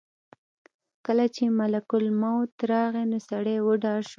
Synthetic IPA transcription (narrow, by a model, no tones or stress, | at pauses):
kəlat͡ʃemalakʊlmawt̪ɾɑɣenosaɽewəɖɑʃ